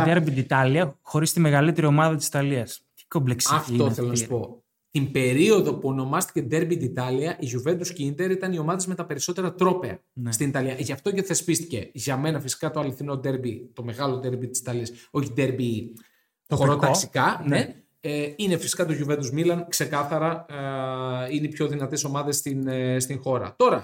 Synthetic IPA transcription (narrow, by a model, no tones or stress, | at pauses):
d̪eɾbid̪it̪ɐliɐxo̞ɾist̪ime̞ɣɐlit̪e̞ɾio̞mɐðɐt̪isi̥t̪ɐliɐst̪i̥ko̞mbleksɐft̪oθelonsɐspo̞ | t̪imbe̞ɾio̞ðo̞puo̞no̞mɐst̪i̥ce̞d̪e̞ɾbid̪it̪ɐliɐʔiʝuve̞nd̪uscinit̪e̞ɾit̪ɐnio̞mɐðe̞zme̞t̪ɐpe̞ɾiso̞t̪eɾɐt̪ɾo̞pe̞ɐ̰ | nst̪init̪ɐliɐʝɐft̪o̞ceθe̞spist̪ice̞ʝɐme̞nɐfisi̥kɐt̪o̞ɐliθino̞d̪e̞ɾbit̪o̞me̞ɣɐlod̪e̞ɾbit̪i̥si̥t̪ɐliɐso̞çid̪e̞ɾbi | xoɾoɐsi̥kɐne | inefisi̥kɐt̪uʝuve̞d̪uzmilɐnkse̞kɐθɐɾɐ | inepço̞ðinɐt̪e̞so̞mɐðe̞st̪inst̪iŋxo̞ɾɐ̰t̪o̞ɾɐ